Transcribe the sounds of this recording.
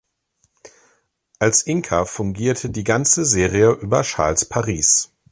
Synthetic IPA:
ʔalsʔɪŋkʰɐfʊŋɡiːɐtʰədiːɡant͡səzeːʁiəʔyːbɐ̰ʃa̰ɐlspʰaʁiːs

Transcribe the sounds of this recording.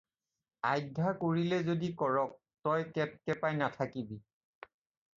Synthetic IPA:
ajdʱakoɹilɛzodikɔɹɔk̚ | tɔjkɛp̚kɛpajnatʰakibi

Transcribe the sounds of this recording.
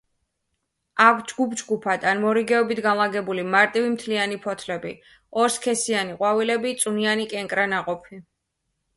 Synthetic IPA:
akʷʰd͡ʒɡupd͡ʒɡupʰad̪anmɔɾiɡɛɔbit̪ʰɡanlˠaɡɛbulimaɾt̪ʼivimt̪ʰlianipʰɔt̪ʰlɛbḭ | ɔɾskʰɛsianiqʼwavilɛbit̪sʼunianikʼɛŋkʼɾanaqʼɔpʰi

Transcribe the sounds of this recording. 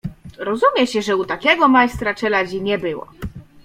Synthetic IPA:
ɾɔzumʲjɛɕɛʐɛut̪akʲɛɡɔmajst̪ɾat͡ʂɛlad͡ʑiɲɛbɘwɔ̰

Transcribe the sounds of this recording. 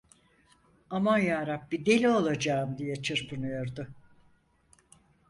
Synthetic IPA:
amanjaːɾap̚bid̪e̞lʲiolˠad͡ʒaːɯmd̪ijɛt͡ʃʰɯɾpʰɯnɯjo̞ɾd̪ʊ

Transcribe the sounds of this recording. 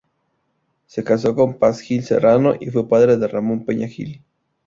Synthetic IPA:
se̞kas̬o̞ko̞mpasxilsḛranoʔifwe̞paðɾe̞ðeramõmpeɲaxḭl

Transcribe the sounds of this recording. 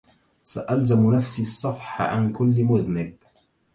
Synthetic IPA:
saʔalzamnafsiːɑsˤːɑfħa̰ʕa̰nkʊlːmʊðnɪb̚

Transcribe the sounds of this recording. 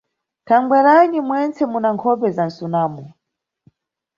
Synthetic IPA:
tʰaŋɡwɛɾanimwɛnt͡sʰɛmunaŋkʰɔpɛzan̩sunaːmɔ

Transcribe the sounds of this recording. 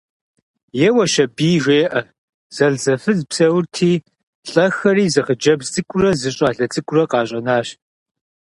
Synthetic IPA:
jɛwɐʃɐbiːʒʷeːʔɐ | z̥ɐɮzɐfɨzpsɐwrtʰiː | ɬʼɐxɐriːzɨχəd͡ʒɐbzt͡sʼɨkʷʼʊrɐzɨɕʼaːɮɐt͡sʼɨkʷʼʊrɐqɑːɕʼɐnaːɕ

